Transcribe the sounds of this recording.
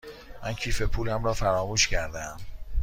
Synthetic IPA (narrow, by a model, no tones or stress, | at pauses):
mæncʰiːfe̞pʰuːlæmɾɒːfæɾɒːmuːʃcæɾd̪eæm